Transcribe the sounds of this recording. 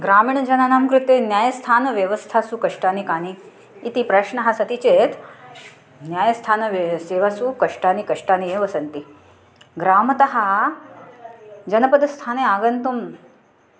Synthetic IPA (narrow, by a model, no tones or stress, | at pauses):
ɡɾaːmiːɳd͡ʑɐnanaːmkɾut̪enjaːjəst̪ʰaːnʋjɐʋəst̪ʰasukəʂʈaːnikaːniː | t̪ipɾaʂɳɐɦasɐt̪it͡ɕet̪ | njaːjəst̪ʰaːnʋseːʋasukɐʂʈaːnikɐʂʈaːnijeʋəsɐnt̪i | ɡɾaːmət̪ɐɦa | d͡ʑɐnəpəd̪st̪ʰaːneaːɡənt̪um